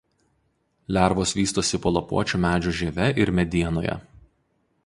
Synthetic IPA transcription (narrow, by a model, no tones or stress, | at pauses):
lʲæˑɾʋoːsʋʲiːst̪oːsʲɪpoːlˠɐpṵɔt͡ʃʲuːmʲæːd͡ʒʲuːʒʲiɛʋʲɛʔɪɾmʲɛd̪ʲiɛno̰ːjɛ̰